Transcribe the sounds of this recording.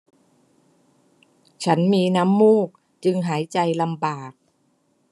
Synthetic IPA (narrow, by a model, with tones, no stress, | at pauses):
t͡ɕʰa˦˥nmiː˧na˦˥mːuː˥˩k̚ | t͡ɕɯ˧ŋɦaː˩˦jt͡ɕa˧jla˧mbaː˨˩k̚